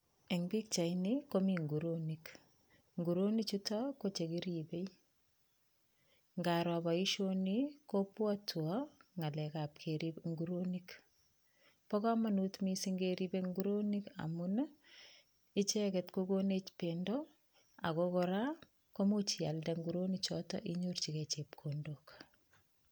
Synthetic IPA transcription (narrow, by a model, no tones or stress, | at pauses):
eŋbik̚t͡ʃainikomiŋɡuɾonik | ŋɡuɾonit͡ʃutakot͡ʃekiɾibej | ŋɡaɾɔbaiʃonikopwatʰuaŋalɛkap̚kʰeɾibŋɡuɾonik | pɔkamanutmisiŋɡeɾibeŋɡuɾonika̰muna | it͡ʃɛkɛtkoɡonet͡ʃpendɔ | a̰kokɔɾa | komot͡ʃialdaŋɡuɾonit͡ʃɔtɔ̰ʔiɲuɾt͡ʃiket͡ʃep̚kʰondok